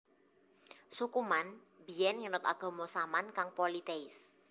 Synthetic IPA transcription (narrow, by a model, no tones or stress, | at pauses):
sukuman | bijɛnŋənʊt̪a̰ɡ̥ɔ̤mɔsamankaŋpolit̪eɪs